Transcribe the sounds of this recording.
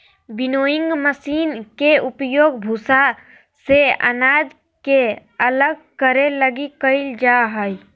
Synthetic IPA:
bɪnoːjɪ̃ŋɡməsiːnkeʊpjoːɡbʱusa | seə̰naːd͡ʒ | ke | ɐləɡ̚kəɾeləɡikəɪld͡ʒaːɦəi

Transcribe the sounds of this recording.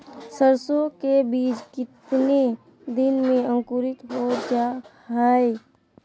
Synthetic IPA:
səɾsokebiːt͡ʃkɪt̪ne | d̪ɪnmẽə̃ŋkʊɾɪt̪ɦod͡ʒa | ɦae

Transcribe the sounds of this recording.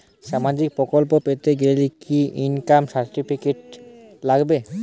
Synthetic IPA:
ʃamad͡ʑik̚pɾokolpopet̪eɡeelikʰiʔinkamsaɾʈifikeʈ̚laɡbe

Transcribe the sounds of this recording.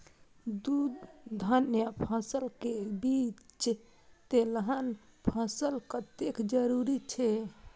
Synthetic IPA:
d̪ud̪d̪ʱənjəpʰəsəlkebit͡ʃ | t̪elɦən | pʰəsəlkət̪ekd͡ʒəɾuɾit͡ʃʰɛ

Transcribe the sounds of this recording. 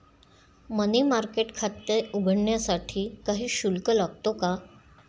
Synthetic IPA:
mənimaɾkeʈkʰat̪ːeuɡʱəɳɳjasaʈʰiːkaɦiːɕulkəlaɡ̚t̪oka

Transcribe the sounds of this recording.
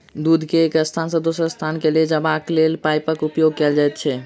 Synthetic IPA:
d̪ud̪ʱkeːkəst̪ʰansə̃d̪osɾəst̪ʰankeled͡ʒəbaklelpajpəkupjoɡ̚kɛld͡ʒajt̪̚t͡ʃʰɛ

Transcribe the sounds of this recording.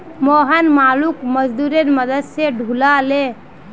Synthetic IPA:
moɦənmalukməd͡ʒd̪uɾenməd̪əd̪seɖʱulale

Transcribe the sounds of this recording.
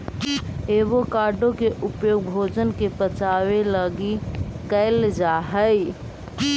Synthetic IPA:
eːʋokaːɾɖõkeʔʊpjoːɡ̚bʱoːd͡ʒənkepət͡ʃaːweləɡikəɪld͡ʒaːɦəi

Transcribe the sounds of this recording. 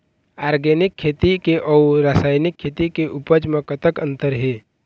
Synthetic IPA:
aːɾɡɛːnɪkʰːeːt̪ikeʔɔːuɾaːsaːjnɪkʰːeːt̪ikeʔʊpəd͡ʒmãkət̪əkə̃nt̪əɾɦeː

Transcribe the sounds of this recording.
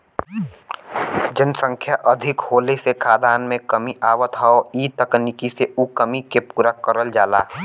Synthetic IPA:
d͡ʒɪnsə̃ŋkʰjaʔəd̪ʱɪkhoːlesekʰaːd̪aːnmẽkəmiʔaːwət̪ɦaoiːt̪əknikiseʔukəmikepuːɾakəɾəld͡ʒaːla̰ː

